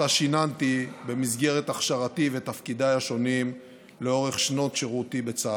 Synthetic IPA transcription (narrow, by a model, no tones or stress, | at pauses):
aʃinant̪ibe̞mizɡe̞ʁe̞t̪aχʃaʁat̪ive̞t̪afkid̪ajaʃo̞nim | leo̞ʁe̞χʃno̞tʃeʁut̪ibet͡sa